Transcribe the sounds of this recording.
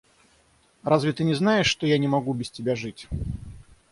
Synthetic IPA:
rʔazvʲɪt̪ɨnʲɪznajɪʂːt̪ɔjanʲɪmɐɡubʲɪstʲɪbʲaʐɨtʲ

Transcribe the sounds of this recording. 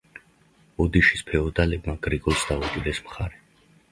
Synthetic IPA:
ɔd̪iʃi̥spʰɛɔd̪alɛbmaɡɾiɡʼɔlˠsd̪aud̪ʼilɛsmχaɾɛ

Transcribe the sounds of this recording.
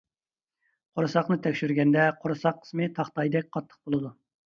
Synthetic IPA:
qʰoɾɨsɑqnɨt̪ʰɛkʲʃyɾɡʲɛnd̪ɛqʰoɾɨsɑqʰːə̥smɨt̪ʰɑχt̪ɑjd̪ɛk̚ʲqʰɑt̪ʰːə̥χ̚bolˠɨd̪u

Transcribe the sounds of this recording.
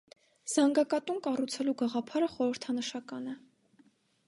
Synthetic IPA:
z̥ɑŋɡɑkɑt̪umkɑrut͡sʰɛluɡɑʁɑpʰɑɾəχɔɾəɾt̪ʰɑnəʃɑkɑnɛ

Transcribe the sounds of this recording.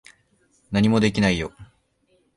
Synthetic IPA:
naɲ̟imo̞d̪e̞k̬ʲinaijo̞

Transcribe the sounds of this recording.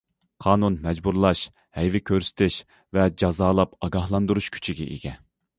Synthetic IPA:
qʰɑːnunmɛd͡ʒbuɾlˠɑʃ | hɛjvɪkʲʰøɾsɪ̥t̪ʰɪʃ | vɛd͡ʒɑzɑːlˠɑpɑɡɑhlˠɑnd̪uɾuʃkʲʰy̥t͡ʃʰiɡʲɛ̰ʔḭɡʲɛ

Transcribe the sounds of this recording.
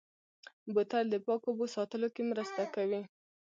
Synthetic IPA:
bʊt̪ald̪əpɑkobosɑt̪əlokemɾəst̪akawi

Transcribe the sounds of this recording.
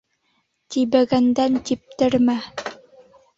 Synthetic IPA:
t̪ibæɡænd̪ænt̪ip̚t̪ɘɾmæ

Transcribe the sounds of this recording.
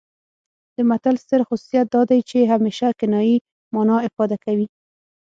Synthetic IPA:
d̪̥əmat̪alst̪əɾxʊsu̥sijat̪̚d̪ɑd̪ajt͡ʃeɦameʃakɪnɑji | mɑnɑɪfɑd̪akawi

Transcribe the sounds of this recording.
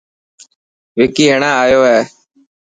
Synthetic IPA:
ʋɪkiːɦeɳãːaːjoːɦɛː

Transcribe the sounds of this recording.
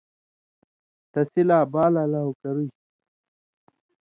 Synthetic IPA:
t̪ɐsilaːbaːlalaukɐɾuj

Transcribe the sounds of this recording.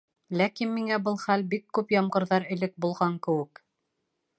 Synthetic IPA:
lækinmiŋæbɤlˠχælbikːʉpjɑmʁɤ̆ɾðɑɾɘ̆lɘk̚bulˠʁɑŋkɘ̆wɘ̆k

